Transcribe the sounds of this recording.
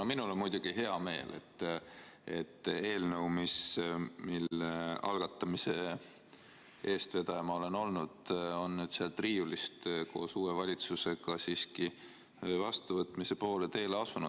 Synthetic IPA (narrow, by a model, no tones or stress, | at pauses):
nominulonmujd̪̥uɡ̥iɦe̞ɑme̞̰ːlʔe̞̰t̪ː | e̞̰t̪ːˑe̞ːlnəuwmismilːeɑ̰lɡ̥ɑt̪ːˑɑmise̞ | e̞ːst̪ve̞d̪ɑjɑmɑo̞leno̞lnud̪̥o̞nːyd̪seɑlt̪riːjulist̪kʰo̞̰ːsuːwevɑlʲit̪suse̞ɡ̥ɑsiːski | vɑst̪uvɤt̪ːˑmise̞po̞ːlet̪e̞ːleɑsunud̪̥